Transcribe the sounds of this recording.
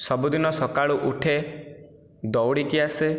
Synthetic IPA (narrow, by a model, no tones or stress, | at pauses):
sɔbud̪inɔsɔkaɭuʔuʈʰe | d̪ɔwɽikiase